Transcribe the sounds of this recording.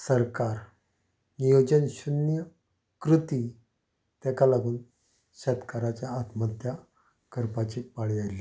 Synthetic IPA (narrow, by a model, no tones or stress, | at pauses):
səɾkaɾ | nijod͡ʑənɕunjə | kɾut̪i | t̪akalaɡuːn | ɕət̪kaɾat͡ɕjaːt̪mət̪ja | kəɾpat͡ɕiːpaɭiajli